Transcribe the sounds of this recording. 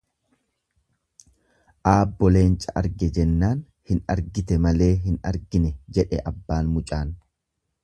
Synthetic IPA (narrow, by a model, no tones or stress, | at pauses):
ʔaːbːɔle̞ːnt͡ʃʼɐʔɐ̰ɾɡɛd͡ʒɛnːaːn | hɪnɐ̰ɾɡɪt̪ɛmɐle̞ːɦɪnɐ̰ɾɡɪnɛd͡ʒɛᶑɛʔɐbːaːnmʊt͡ʃʼaːn